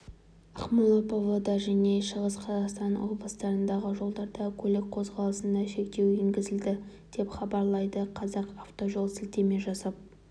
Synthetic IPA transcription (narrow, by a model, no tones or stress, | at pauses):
ɑqmɑlˠopovod̪ɑʒæne̞ʃəʁəsqʰɑzɑqst̪ɑnwo̞̰t̪̚blˠəst̪ɑɾənd̪ɑʁəʒo̞lˠd̪ɑɾd̪ɑkʲʰɵlɪk̚qʰo̞zʁɑlˠəsənd̪ɑʃe̞kt̪e̞weŋɡʲɪzɪld̪ɪ | d̪̥e̞pχɑbɑɾlˠɑjd̪əqʰɑzɑqɑft̪o̞ʒo̞lˠsɪlt̪e̞me̞ʒɑsɑp̚